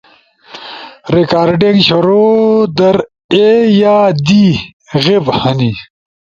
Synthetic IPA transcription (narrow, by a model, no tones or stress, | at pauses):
ɾikaːɾɖeŋɡɕuɾod̪ɐɾ | ejaːd̪i | ɣebhɐni